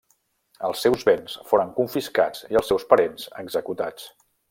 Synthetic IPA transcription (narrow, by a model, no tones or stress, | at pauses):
əlˠsːɛwzβensfoɾəŋkuɱfiska̰d͡ziəlˠsɛwspəɾenz̥ə̰ɡzəkut̪at͡s